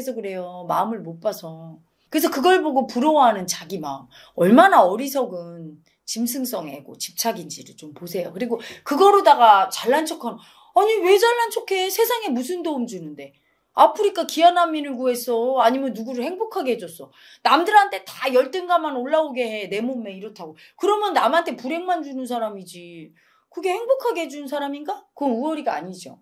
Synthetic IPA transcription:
es̬ʰʌkɯɾe̞jomaɯmɯɭmop͈asʰʌ | kɯɾes̬ʰʌkɯɡʌɭboɡopuɾʌwɦanɯnt͡ɕaɡimaɯm | ʌɭmanaʌɾisʰʌɡɯn | t͡ɕimsʰɯŋs͈ʌŋɦeɡo̰t͡ɕi̥p̚t͡ɕʰaɡind͡ʑiɾɯɭt͡ɕomposʰe̞jokɯɾiɡokɯɡʌɾodaɡat͡ɕaɭːant͡ɕʰʌkʰano | aɲiwe̞d͡ʑaɭːant͡ɕʰokʰe̞sʰe̞sʰaŋe̞musʰɯndoumd͡ʑunɯnde̞ | apʰɯɾik͈akianamːinɯɭɡue̞s͈ʌaɲimjʌnːuɡuɾɯɭhe̞ŋbokʰaɡeɦed͡ʑʌs͈ʌ | namdɯɾantʰe̞tajʌɭt͈ɯnɡamanoɭːaoɡe̞ɦe̞ne̞momːeiɾʌtʰaɡo | kɯɾʌmjʌnːamɦantʰe̞puɾe̞ŋmand͡ʑunɯns̬ʰaɾamid͡ʑi | kɯɡe̞he̞ŋbokʰaɡeɦed͡ʑunnsʰaɾaminɡakɯʌnuʌɾiɡa̰ːɲid͡ʑo̰

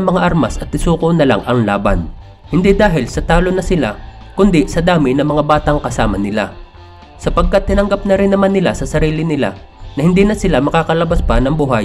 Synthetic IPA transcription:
mɐŋaʔaɾmasɐt̪ːɪsuːkonɐla̰ŋʔɐŋlaːbɐ̰n | hɪnd̪id̪aːɦɪlsɐt̪aːlonɐsɪla | kʊnd̪ɪsɐd̪aːmɪnɐmɐŋabaːt̪ɐŋkɐsaːmɐnɪla̰ | sɐpɐɡ̚kat̪ːɪnɐŋɡap̚nɐɾɪnːɐmanːɪlasɐsɐɾiːlɪnɪla̰ | nɐhɪnd̪iːnɐsɪlamɐkaːkɐlɐbaspɐnɐŋbuːɦa

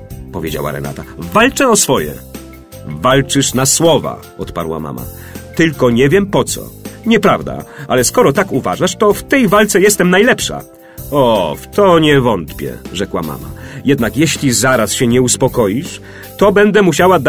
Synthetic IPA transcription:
pɔvʲjed͡ʑa̰wa̰ɾɛ̰na̰t̪avalt͡ʂɛɔsfɔjɛ̰ | valt͡ʂɘʂnaswɔva̰ | ɔt̪pa̰ɾwa̰ma̰ma̰ | t̪ɘlkɔɲɛvʲjɛmpɔt̪sɔ̰ɲɛpɾavd̪a̰alɛskɔɾɔt̪akuva̰ʐaʂt̪ɔft̪ɛjvalt̪sɛjɛst̪ɛmnajlɛpʂa̰ | ɔft̪ɔɲɛvɔnt̪pʲjɛ̰ʐɛkwa̰ma̰ma̰jɛd̪nakjɛɕlʲizaɾasɕɛɲɛuspɔkɔjiʂ | t̪ɔbɛnd̪ɛmuɕawad̪

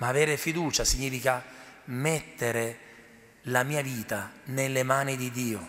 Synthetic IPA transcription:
maːvɛːɾefid̪uːt͡ʃasiɲːiːfikamɛt̪ːeɾe | lamiːaviːt̪anelːemaːnid̪id̪iːʊ

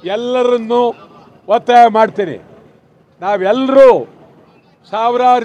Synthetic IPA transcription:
ɛlːɐɾɐnːu | ʋɐt̪ːɐjɐmaːɽt̪iːnḭ | naːʋɛlːɐɾuː | saːʋɾaːɾ

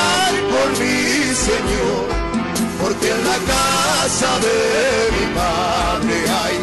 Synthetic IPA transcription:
ɾkolmiseɲo | ɾ | poɾk̪enakasaðeβipa | nd̪eaj

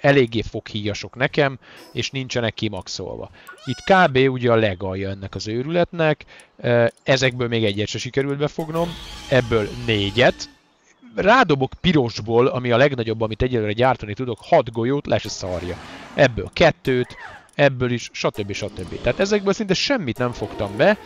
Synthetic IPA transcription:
ɛleːɡːeːfo̞khiːjɒʃo̞knɛkɛmeːʃnint͡ʃɛnɛkːimɒkso̰lvɒ̰ | it̪kaːbeːuɟɛɒlɛɡɒjːɒɛnːɛkɒzøːɾylɛt̪nɛk | ɛzɛɡ̚bøːlmeːɡɛɟːɛʃɛʃikɛɾylt̪̚bɛfo̞ɡno̞mɛbːøːlneːɟɛt̪ | raːd̪o̞bo̞kpiɾo̞ʒboːlɒmiɒlɛɡnɒɟo̞bːɒmit̪ɛɟːɛløːɾɛɟaːrt̪ɒnit̪ud̪okhɒd̪ɡo̞joːt̪lʔɛ̰ʃɛsɒrjɒ̰ɛbːø̰ːlkɛt̪ːøːt̪ | ɛbːøːliʃʃɒt̪øbːiʃɒt̪øbːḭt̪aːt̪ɛzɛɡ̚bøːlsint̪ɛʃɛmːit̪nɛɱfo̞kt̪ɒmbɛ

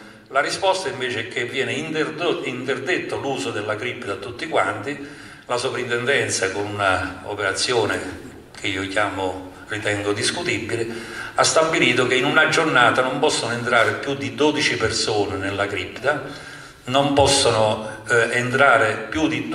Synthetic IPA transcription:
larispɔst̪aiɱveːt͡ʃɪɛk̟ːevːjɛːnɪnint̪erd̪et̪ːʊluːzʊd̪ɪlːakɾipːt̪at̪ːut̪ːikwa̰nt̪i | lasovɾint̪ɛnd̪ɛnt̪sakʊnunao̰peɾat̪sːjoːnɪ | k̟ʰɪiːokjaːmʊ | rit̪ɛŋɡʊd̪iskut̪ibːilɪast̪abːiliːt̪ʊk̟einunad͡ʒːornaːt̪anompɔsːonʊent̪ɾaːɾɪpjud̪ːid̪ɔːd̪it͡ʃipersoːnɪnɪlːakɾipːt̪a | nompɔsːonʊent̪ɾaːɾɪpjud̪i

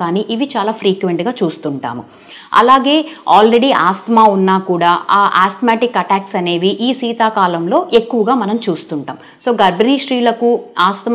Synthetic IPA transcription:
aːniːʔiʋit͡ʃaːlaːpʰɾiːkʋe̞ɳʈɡaːt͡ʃuːst̪uɳʈa̰ːmu | ɐ̰laːɡe̞ːaːlɾe̞ɽiʔaːst̪maːunːaːkuːɽaːaːʔaːst̪maːʈikːɐʈaːksɐne̞ːʋiʔiːsiːt̪aːkaːlɐmlo̞ːʔe̞kːuʋɐɡaːmɐnɐmt͡ʃuːst̪uɳʈaːm | so̞ːɡɐɾbɐniːʃɾiːlɐkuaːst̪

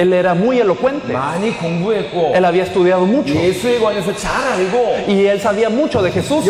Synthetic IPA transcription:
e̞le̞ɾamuje̞lo̞kwe̞nt̪eanikoŋbwekoe̞laβiaest̪uð̞jað̞o̞mut͡ʃoesɣoanefet͡ʃaɾalɡoie̞lsaβiamut͡ʃo̞ðexe̞sus

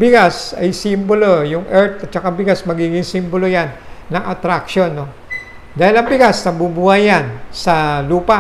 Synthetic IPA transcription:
bɪɡasɐjsimbolojʊŋʔɛɹt̪̚ot͡ʃɐkabɪɡasmɐɡiːɡɪŋsimbolojanːɐŋʔɐt̪ɾakʃo̞nːo | d̪aːhɪlɐŋbɪɡasnɐbubuhajansɐluːpa

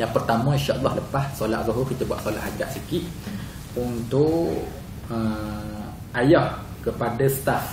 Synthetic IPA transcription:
jaŋpərt̪amə̃ĩnʃaʔɑlˤːɑhləpahsola̰ʔ̚zɔɦurkit̪əbwaʔ̪sola̰ʔɦad͡ʒa̰ʔsikiʔ̪̚ | unt̪ʊʔ | ə | ajɔh | kəpadəsə̥t̪af

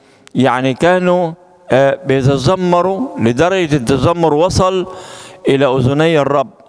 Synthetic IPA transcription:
jaʕnikaːnu | bɪjt̪ɑzɑmːɑɾˤulɪd̪ɑɾˤɑɡat̪ːɑzɑmːʊɾˤwɑsˤɑlʔɪlaʔʊzʊnɪjːɑrˤːɑbː

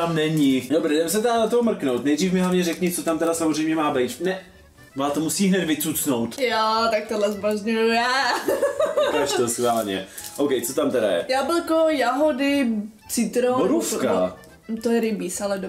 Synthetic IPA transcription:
t̪amnɛɲidobɾɛdɛms̬ɛt̪ɛdanat̪omr̩knowt̪nɛjd̪riːfmɪɦlavɲɛɾɛkɲɪt͡sot̪amt̪ɛɾasamozrɛjmɲɛmaːbɛjt̪nɛ | maːt̪omusiːɦnɛd̪vɪt͡sut͡snowt̪jaːt̪ak̚t̪odlɛzbazɲujujaː | kaʃt̪osxvaːlɲɛ̰ʔowkɛjt͡sot̪amt̪ɛda̰jɛ̰jaːbɪlkojaɦodɪ | t͡sɪt̪ɾoboɾufka | t̪ojɛɾɪmisalɛdo

